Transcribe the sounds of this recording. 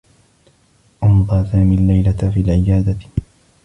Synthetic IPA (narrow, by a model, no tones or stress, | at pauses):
ʔʊmd̪ˤɑːsaːmiːlːajlat̪fiːalʕɪjaːd̪a